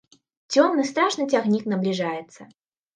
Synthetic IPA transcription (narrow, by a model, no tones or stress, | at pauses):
t͡sʲɔmnɨst̪ɾaʂnɨt͡sʲaɣnʲiknɐblʲiʐajɛt̪sːɐ